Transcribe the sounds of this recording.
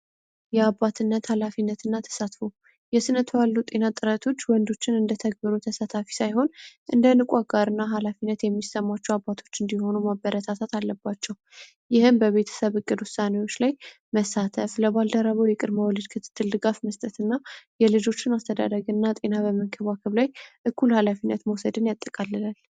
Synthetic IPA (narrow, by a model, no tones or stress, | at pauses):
jɛabːat̪ʰɨnːət̪halafinːət̪ʰɨnːat̪ʰə̥sat̪fo | jɛsɨnət̪ʰəwalːut̪ʼe̞nat̪ʼɨɾət̪ʰo̞t͡ʃːwɔnd̪o̞t͡ʃːɪnɨnd̪ət̪ʰəɡ̚bɨɾot̪ʰəsat̪ʰafi̥sajho̞nʔɨnd̪ənɨkʷʼaɡʼaɾɨnːaɦalafinːət̪jɛmːisəmːat͡ʃːɛwabːat̪ʰo̞̥t͡ʃːɨnd̪iho̞numabːəɾət̪ʰat̪ʰat̪alːəbːat͡ʃːɛw | jɪhɨmbəβe̞t̪ʰə̥səβɨɡʼːɨd̪wʊsːanewo̞t͡ʃːlaj | məsat̪ʰəfləβald̪əɾəβəwjɛkʼɨd̪məwɔlɨd̪kʰɨt̪ʰɨ̥t̪ʰːɨld̪ɨɡafməst̪ʼət̪ɨnːajɛlɨd͡ʒo̞t͡ʃːɪnast̪ʰəd̪a̰d̪əɡɨnːat̪ʼe̞naβəməŋkʰəβakʰəβlajʔɨkːulhalafinːət̪məwsəd̪ɨnjat̪ʼːəkʼalːɨlal